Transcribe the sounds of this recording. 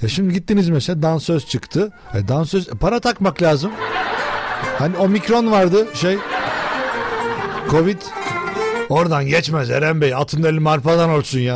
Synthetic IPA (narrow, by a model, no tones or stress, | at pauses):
jaʃimd̪iɟit̪ːinizmesed̪ansøzt͡ʃʰɯkt̪ʰɯ | ɛd̪ansøzɛpʰaɾat̪ʰakmaklʲaːzɯm | hanio̞micɾo̞nvaɾd̪ɯʃej | kʰo̞vid̪ | o̞ɾd̪anɟɛt͡ʃmæzeɾɛmbejiat̪ʰɯnd̪elʲimaɾfad̪anoɾsunjaː